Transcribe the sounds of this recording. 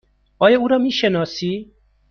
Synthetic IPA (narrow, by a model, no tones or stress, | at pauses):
ɔjɔuɾɔmiʃenɔsi